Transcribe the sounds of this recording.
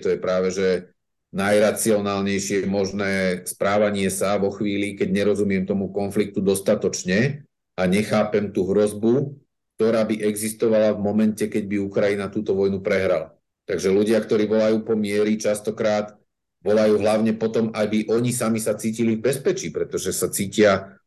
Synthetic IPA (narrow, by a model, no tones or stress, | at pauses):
t̪ɔjɛpɾaːʋɛʒɛ | najɾat͡siɔnaːlɲɛjʃɪɛmɔʒnɛːspɾaːʋaɲɪɛsaʋɔxʋiːlikɛɟɲɛɾɔzumɪɛmt̪ɔmukɔnflik̚t̪ud̪ɔst̪at̪ɔt͡ʃɲɛ | aɲɛxaːpɛmt̪uɦɾɔzbu | k̚t̪ɔɾaːbiʔɛɡzist̪ɔʋalavmɔmɛncɛkɛɟbiukɾajinat̪uːt̪ɔʋɔjnupɾɛɦɾala | t̪aɡʒɛluɟɪakt̪ɔɾiːʋɔlajuːpɔmɪɛɾit͡ʃast̪ɔkɾaːt̪ | ʋɔlajuːɦlaʊɲɛpɔt̪ɔmajbiʔɔɲisamisat͡siːcilivbɛspɛt͡ʃiːpɾɛt̪ɔʒɛsat͡siːcɪa